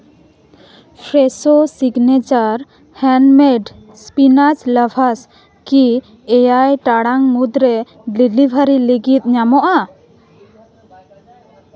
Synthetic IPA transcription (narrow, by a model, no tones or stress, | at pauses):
pʰɾɛsosiɡnɛt͡ʃaɾ | hɛnmɛɖ | spinat͡ʃlabʰʱas | ki | ɛjajʈaɽaŋmud̪ɾɛ | ɖilibʱaɾiliɡit̪̚ˀɲamɔʔa